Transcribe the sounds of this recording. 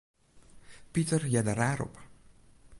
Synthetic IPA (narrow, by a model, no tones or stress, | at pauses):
pitərjɛdəraːɾɔ̰p